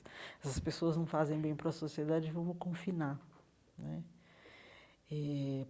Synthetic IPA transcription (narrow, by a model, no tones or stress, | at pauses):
ɛsɐspesoɐznɐ̃w̃fazẽj̃bẽj̃pɾɐsosied̪ad͡ʒɪvɐ̃mʊkõfina | nɛ | ɛ